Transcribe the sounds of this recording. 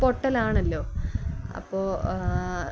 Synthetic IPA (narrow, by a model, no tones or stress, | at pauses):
poʈːɐlaːɳɐlːo̞ːɐ̰pːoː